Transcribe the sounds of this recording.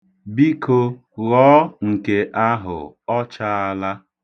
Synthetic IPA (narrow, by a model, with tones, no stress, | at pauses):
bi˦kʰo˦ | ɣɔː˦ŋ̩˨ke˦ʔa˦ɦʊ̰˨ | ɔ˦t͡ʃa˦a˦la˦